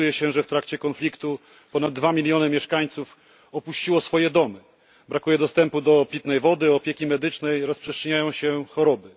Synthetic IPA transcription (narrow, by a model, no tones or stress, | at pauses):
ujɛɕɛʐɛft̪ɾakt͡ɕɛkɔnflʲikt̪u | pɔnad̪̚ːvamʲilʲjɔnɘmʲjɛʂkaɲt̪suf | ɔpuɕt͡ɕiwɔsfɔjɛd̪ɔmɘ | bɾakujɛd̪ɔst̪ɛmpud̪ɔːpʲit̪nɛjvɔd̪ɘɔpʲjɛkʲimɛd̪ɘt͡ʂnɛjɾɔspʂɛstt͡ʂʂɛɲajɔ̃w̃ɕɛxɔɾɔbɘ